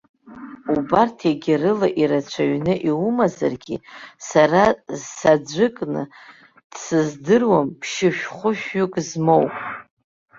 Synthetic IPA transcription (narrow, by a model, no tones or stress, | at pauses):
ubartʰeɡʲɪrɨlaʔiɾat͡ɕt͡ʃʷʰaɥnɨʔiumaza̰rɡʲḭsarazsad͡ʒʷɨkʼnɨ̰ | d̥sɨzdɨrwampʰʃɪʃᶣχʷʊʃᶣɥʊkʼzmo̞wpʼ